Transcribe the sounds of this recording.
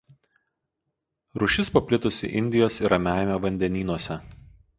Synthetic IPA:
ɾʊʃʲɪspɐpʲlʲɪt̪ʊsʲɪ̰ʔɪnʲd̪ʲɪjoːsɪɾɐmʲæˑɪmʲoʋɐnʲd̪ʲɛnʲiːnuɔsʲɛ

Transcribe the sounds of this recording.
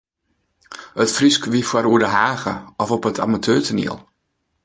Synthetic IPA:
ətfriskʋifwaɾuədəɦaːɣə̰ɔfɔpətʰa̰matʰøːtʰənḭəlˠ

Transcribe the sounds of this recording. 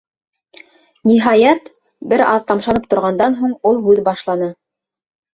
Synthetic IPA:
niɦɑjɑt̪ | bɘɾɑðt̪ɑmʃɑnɤp̚t̪ŏɾʁɑnd̪ɑnɦuɴulˠɦʉðbɑʃlˠɑnɤ

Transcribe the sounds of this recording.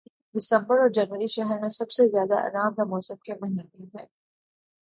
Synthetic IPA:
dɪsə̃mbəɾɔːɾd͡ʒɐnʋəɾiʃɛɦəɾmẽsɐbsezjaːd̪aʔɐ̰ːɾaːmd̪amɔːsə̃mkemɐɦineɦɛ̃ː

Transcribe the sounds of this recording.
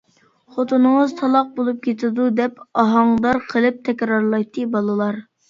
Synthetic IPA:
χot̪ʰunəŋəzt̪ʰɑlˠɑq̚bolˠup̚kʲʰet̪ʰɪd̪ud̪ɛpɑɦɑŋd̪ɑɾqʰəlˠɨp̚t̪ʰɛkʲɾɑɾlˠɑjt̪ʰːɨbɑlˠɨlˠɑɾ

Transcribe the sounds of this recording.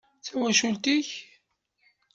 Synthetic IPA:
θæwæʃult̪iç

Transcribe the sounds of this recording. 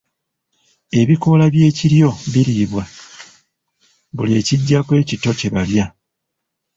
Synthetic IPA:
e̞βiko̞laβje̞ːciɾjo̞βiɾiːβwa | βule̞ːciɟːakwe̞ːcito̞ce̞βalja

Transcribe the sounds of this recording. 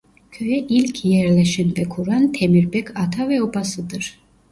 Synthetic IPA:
kʰœɛʔilkʰjɛɾlɛʃinb̪ɛkʰuɾant̪ʰɛmiɾbɛkʰat̪ʰavɛɔbasɨd̪ɨɾ

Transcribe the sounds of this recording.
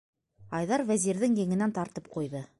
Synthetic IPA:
ɑjðɑɾvæzʲiɾðɘŋjɘ̆ŋɘ̆nænt̪ɑɾt̪ɤp̚qujðɤ

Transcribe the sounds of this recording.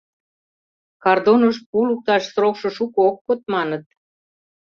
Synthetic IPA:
kɑrd̪onəʃpuluk̚t̪ɑʃsrokʃɤ̆ʃukookːot̪̚mɑnət̪̚

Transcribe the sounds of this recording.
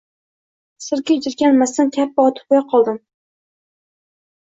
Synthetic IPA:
sɪɾkʲad͡ʒɪɾkʲanmast̪ɪnkʲʰapːaɒt̪ʰɪ̥p̚jɑqʰɒlˠd̪ɪm

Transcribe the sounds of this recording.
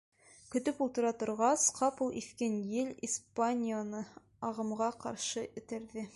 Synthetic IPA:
kɵ̆t̪ɵpulˠt̪ɤ̆ɾɑt̪ŏɾʁɑsqɑpulˠifkænjɘlʲispanʲionɤ | ɑʁɤ̆mʁɑqɑ̰ɾʃɤɘ̆t̪ɘ̆ɾðɘ

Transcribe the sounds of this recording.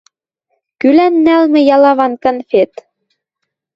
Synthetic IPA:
kylænːælmɘ̆jɑlɑβɑnkɤ̆nfet̪

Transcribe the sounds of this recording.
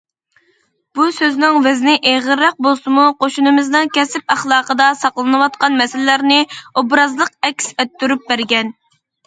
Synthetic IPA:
b̥usøznɪŋvɛznɪʔeʁəɾːæq̚bolˠsɨmuqʰoʃunɨmɪznɨŋkʲɛsɪpæχlˠɑːqəd̪ɑsɑqlˠɨnɨwɑt̪̚qɑnmɛsɪlɪlæɾnɪobɾɑzlˠəqɛkʲsɛt̪ːyɾyp̚bæɾɡʲɛn

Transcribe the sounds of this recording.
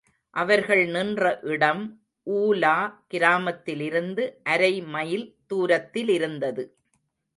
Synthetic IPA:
ʔɐʋɐɾɣɐɭnɪndrɐʔɪɽɐm | ʔuːlaːkɪɾaːmɐt̪ːɪlɪɾɯnd̪ɯʔɐɾɐɪmɐjɪlt̪uːɾɐt̪ːɪlɪɾɯnd̪ɐðɯ

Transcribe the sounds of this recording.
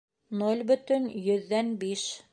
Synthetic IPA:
nolʲbɵ̆t̪ɵnjɵ̆ðːænbiʃ

